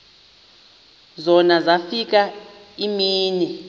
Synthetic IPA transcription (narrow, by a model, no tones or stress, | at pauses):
zɔnazafik̬a | imiːni